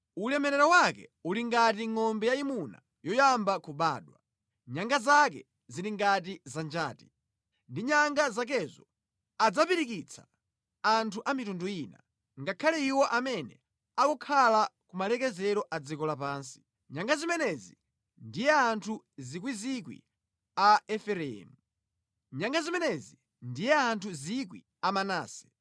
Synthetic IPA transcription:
ulɛmɛɾɛɾɔwakɛ̰uliŋɡatiŋɔmbɛjaimuna̰ | jɔjambakuɓa̰ːɗwa̰ | ɲaŋɡazak̬ɛ | ziɾiŋɡat̬izand͡ʒaːti̥ | ndiɲaŋɡazak̬ɛzɔ | ad͡zapiɾikit͡sʰḁ | antʰuʔamitunduiːna̰ | ŋɡakʰalɛiwɔʔamɛnɛ̰ | akɔkʰalakumalɛkɛzɛɾɔʔad͡zikɔlapaːnsi̥ | ɲaŋɡazimɛnɛzi | ndijɛantʰu | zik̬wizikwḭ | aɛfɛɾɛɛ̰mu | ɲaŋɡazimɛnɛzi | ndijɛantʰuzikwḭ | amana̰ːsɛ̥

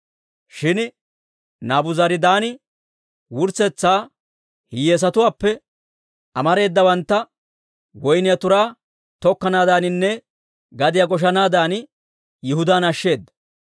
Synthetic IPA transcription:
ʃɪn | naːbʊzɐɾɪd̪aːnɪ | wʊɾt͡sːɛt͡sːaː | hɪjeːs̬ɐt̪ʊwaːpːɛ | ɐmɐɾe̞ːd̪ːɐbɐnt̪ːɐ | wɔjnɪjɐt̪ʊɾaː | t̪ɔkːɐnaːd̪aːnɪnːɛ | ɡɐd̪ɪjɐɡɔʃ̬ɐnaːd̪aːn | jɪɦʊd̪aːnɐʃːe̞ːd̪ːɐ

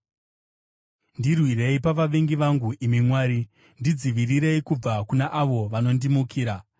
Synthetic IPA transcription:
ndirwire̞ipaʋaʋe̞ŋɡiʋaŋɡuʔimimwaːɾi | ndid͡ziʋiriɾe̞ikub͡vakunaʔaʋo̞ʋano̞ndimukʰiːɾa

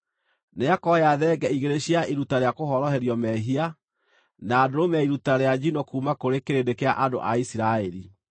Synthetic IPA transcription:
neakɔjaðɛɡɛiɣeɾeɕiaiɾutaɾeakoɦɔɾɔɦɛɾjɔmɛɦia | naːdoɾomɛiɾutaɾead͡ʒinɔkuːmakoɾekeɾendekeaʔado̰ʔaisiɾaɛɾi

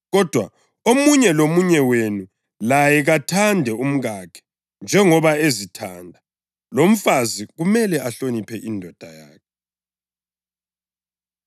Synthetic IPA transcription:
ɣɔd̥ʱwa | omuɲɛlomuɲɛwenu | lajɛɣatʰandʱɛum̩ɣakʰɛ̥ | nd͡ʒʱɛŋɔβaezitʰandʱa | lom̩faziɣumɛlɛaɬonipʰɛʔindʱɔd̥ʱajaːkʰɛ

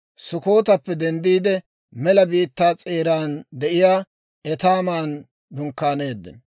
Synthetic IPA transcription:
sʊko̞ːt̪ɐpːɛd̪ɛnd̪iːd̪ɛ | mɛlɐbiːt̪ːaːt͡sʼeːɾaːnd̪ɛʔɪjaː | ɛt̪aːmaːn | d̪ʊŋkːaːne̞ːd̪ːɛ̰n

